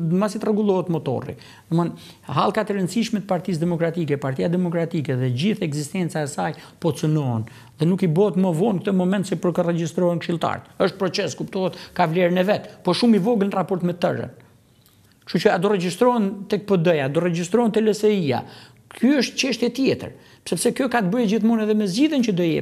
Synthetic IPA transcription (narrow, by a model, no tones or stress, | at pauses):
masit̪rɛɡulˠɔɦɛt̪mɔt̪ɔ̰rḭ | mən | halˠkat̪ɛɾənsiʃmɛt̪paɾt̪is̬d̪ɛmɔkɾat̪ik̬ɛpaɾt̪ijad̪ɛmɔkɾat̪ikɛðɛd͡ʑiθɛɡzist̪ɛnt͡saɛsajpɔt͡sənɔɦɛn | ðɛnukibɔɛt̪məvɔnkət̪əmɔmɛnt̪sɛpəɾkərɛd͡ʑist̪ɾɔɦɛnkʃilˠt̪a̰ɾt̪əʃt̪̚pɾɔt͡sɛskupt̪ɔɛt̪kavlɛɾnɛvɛt̪pɔʃumivɔɡənrapɔɾt̪mɛt̪ə̰rə̰n | ʃut͡ʃəad̪ɔrɛd͡ʑist̪ɾɔɛnt̪ɛk̚pəd̪əjad̪ɔrɛd͡ʑist̪ɾɔnt̪ɛlɛsɛia̰ | kʰyəʃt̪t͡ɕɛʃt̪jɛt̪jɛt̪ə̰ɾ | psɛpsɛkjɔkat̪əbəhɛd͡ʑiθmɔnɛðɛmɛzd͡ʑiðjənt͡ʃəd̪ɔjɛ̰